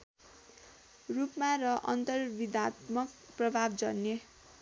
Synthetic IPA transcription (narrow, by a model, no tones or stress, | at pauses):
rupmarʌʔʌ̰nt̪ʌrbid̪at̪mʌkprʌbʱabd͡zʌnːe